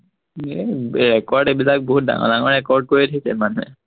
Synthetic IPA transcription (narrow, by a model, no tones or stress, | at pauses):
ɛɹɛkɔɹdebilak̚boɦut̚da̰ŋɔ̰daŋɔɹɹɛkɔɹd̚koɹitʰisɛ̰manɛ